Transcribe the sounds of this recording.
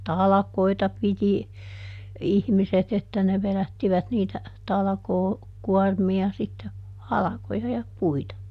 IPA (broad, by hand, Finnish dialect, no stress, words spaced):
jɑ tɑlɑ̆koitɑ piti ihmiset etːæ ne ʋeðætːiʋæt niːtæ tɑlɑ̆koː kuɔrmiɑ sitːe hɑlɑ̆kojɑ jɑ puitɑ